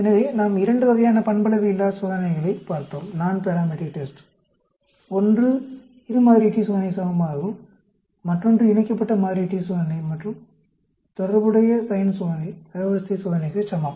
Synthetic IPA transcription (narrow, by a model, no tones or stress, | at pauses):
ɛnːɐʋeːnaːmɪɾɐɳɖɯʋɐɣɐjaːnɐpɐɳbɐlɐʋɯɪlːaːsʋɐðɐnɐɣɐɭɐɪpaːɾt̪õːmnaːnpɛɾaːmɛɽikʈesʈ | ɔndrɯ | ɪɾɯmaːðɾiʈːisɔðɐnɐɪsaːʋɐmaːɣɯ̃ | mɐʈrɔndrɯɪnɐkːɐpːɐʈːɐmaːðɾiʈːiswoːðɐnɐɪmɐʈrɯ̃m | t̪ɔɽɐɾbɯɽɐjɐsɐɪnsɔːðɐnɐʋɐʋɐsisɔːðɐnɐɪɣɐt͡ʃɐmːaː